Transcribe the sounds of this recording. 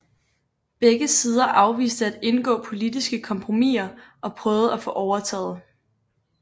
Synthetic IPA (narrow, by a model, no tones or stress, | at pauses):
b̥eɡ̥əsiːð̞ˠɐʔɑ̈ʊʋḭːsd̥əæd̥e̝nɡ̥ɔ̰̽ːpʰo̝lidisɡ̥əkʰɒ̽mpʰʁo̝mḭːɐʔɒ̽pʰʁœːʊð̩ˠæfɔ̽ʔɒʊɐt͡sʰɛ̰ːð̩ˠ